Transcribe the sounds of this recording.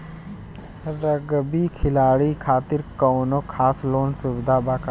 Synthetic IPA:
ɾəɡbikʰɪlaːɽikʰaːt̪ɪɾkəwnokʰaːsloːnsubɪd̪ʱabaːka

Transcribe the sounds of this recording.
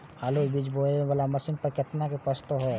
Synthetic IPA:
aːlubid͡ʒboːeebəlamɐsɪnpəɾkɪt̪nakepəst̪oɦoː

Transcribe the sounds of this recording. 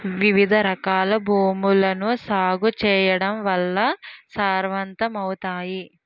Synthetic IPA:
ʋiʋid̪ʱɐɾɐkaːlɐbʱuːmulɐnusaːɡut͡ʃɛːjɐɽɐmʋɐlːɐsaːɾʋɐnt̪ɐmɐwut̪aːji

